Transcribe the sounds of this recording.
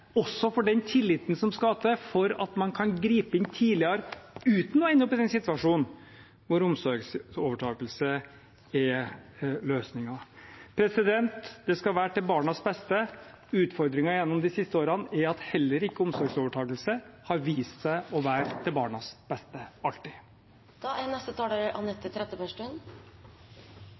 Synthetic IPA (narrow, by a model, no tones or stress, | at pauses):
ɔsːɔfɔɖɛnt̪ʰɪlːɪt̪ən̩sɔmskɑt̪əfɔɾɑt̪mɑnkʰɑnɡɾiːpəɪnt̪ʰiːlɪɑɾʉːt̪nɔɛnːəɔpːɪd̪ɛnsɪt̪ʋɑʂuːnn | ʋʊɾʊmsɔɾɡsoːʋəʈʰɑːkəlsə | ɛ | løːsnɪŋɑpʰɾɛsɪd̪ɛnt̪d̪ɛskɑʋæːʈ̪ɛlbɑːɳɑsbɛst̪ə | ʉːt̪fɔɾd̪ɾɪŋɑjɛnːɔmd̪ɪsɪst̪əoːɾɑnæɾɑt̪hɛlːəɾɪkːəʊmsɔɾɡsoːʋəʈʰɑːkəlsəhɑɾʋiːst̪sæɪɔʋæːɾd̪ɛbɑːɳɑsb̥ɛst̪əɑlʈ̪ːɪ | d̪̥ɑɛnɛst̪ət̪ʰɑːdəɾʔɑnɛt̪ːət̪ʰɾɛt̪ːəpæʂʈʉn